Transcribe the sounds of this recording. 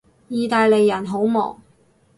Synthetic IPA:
jiː˨˧t̪aː˨˧jle˨jːɐ˨˩nɦo˨˥wmɔ̰ː˨˩ŋ

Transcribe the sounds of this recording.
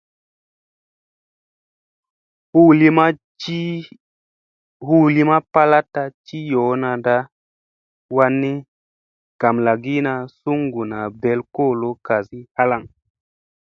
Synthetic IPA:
hu˦li˦ma˦ | i˦ | hu˦˨li˦ma˦pa˦la˦tːa˧t͡ʃi˦jo˨˦na˧da˦ | wa˧nːi˦ | ɡ̥a˨mla˨ɡi˦na˨su˦ŋɡu˨na˨be˨lko˦˨lo˦ka˨zi˦ha˦la˨ŋ

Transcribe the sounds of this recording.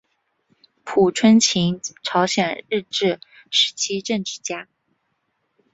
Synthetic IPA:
pʰu˨˩ʈ͡ʂʰwə˥nt͡ɕʰi˧˥ŋʈ͡ʂʰɑ˧˥ʊɕjɛ˨˩nɻɻ̩˥˧ʈ͡ʂɻ̩˥˩ | ʂɻ̩˧˥t͡ɕʰi˥ʈ͡ʂə˥˧ŋʈ͡ʂɻ̩˥˩t͡ɕja˥

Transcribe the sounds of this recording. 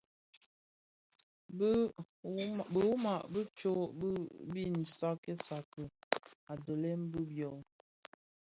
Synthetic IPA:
bə˦ | bə˨wma˨ʔbə˦t͡ʃo˦bbi˦n̩˨sa˦ke˦sa˨kə˨a˨də˨le˦mbə˦bjɔ˨l

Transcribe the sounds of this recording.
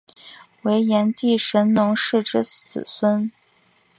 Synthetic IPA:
we˧˥ɪjɛ˧˥nt̪i˥˩ʂə˧˥nnʊ˧˥ŋʂɻ̩˥˩ʈ͡ʂɻ̩˥t͡sɹ̩̰˨˩swə˥n

